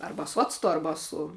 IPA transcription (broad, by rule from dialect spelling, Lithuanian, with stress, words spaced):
ˈɐrbɐ sʊ ˈɑːt͡stʊ ˈɐrbɐ sʊ